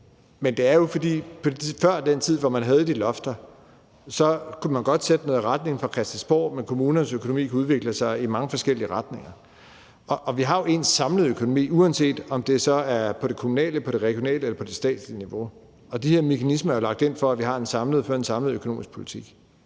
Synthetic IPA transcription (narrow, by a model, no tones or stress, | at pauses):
mend̥e̝æɐjo̝fɒ̽d̥ḭːpʰɒ̥̽fɶɐ̰d̥ent͡sʰið̞̰ˠʋɒmænɦæð̞ˠd̥ilɒ̽fd̥ɐ | sɒ̽kʰumænɡ̥ɒ̽d̥sed̥ənɔ̽ːðˠʁad̥̚ne̝ŋn̩fʁɑ̈kʰɛsd̥ænsb̥o̰ːmenkʰo̝muːnɐnəsøkʰo̝nomḭːkʰæuð̞ˠʋe̝ɡ̥ləsɑ̈ɪimɑ̈ŋəfɒ̽sɡ̥el̰iəʁɑ̈d̥ne̝ŋɐ | ɒʔːʋiɦɑ̈joe̝nsɑ̈mləð̞̩ˠøkʰo̝nomḭːuænse̝̰ːd̥ɒ̽md̥e̝sɒ̽æɐpʰɒ̽ɾ̥e̝kʰomunɛ̰ːləpʰɒ̽ɾ̥e̝ʁɛɡ̥jo̝nɛ̰ːləelɐpʰɒ̽d̥e̝sd̥ɛ̰ːd̥sliniʋo̝ | ɒ̽d̥iheɐ̰me̝kʰænisməæɐjo̝lɑ̈ɡ̥d̥e̝n̰fɒ̽æʋiɦɑ̈e̝nsɑ̈mləð̞̩ˠfɒe̝nsɑ̈mləð̩ˠøkʰono̝̰ːmisɡ̥pʰo̝lit͡sʰiɡ̥